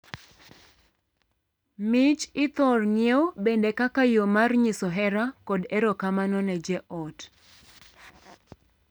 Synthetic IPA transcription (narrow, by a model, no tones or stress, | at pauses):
mɪt͡ʃɪt̪ɔrɲebendekakajomarɲɪsɔɦɛɾakɔdɛɾɔkamanɔnɛd͡ʒɛʔɔt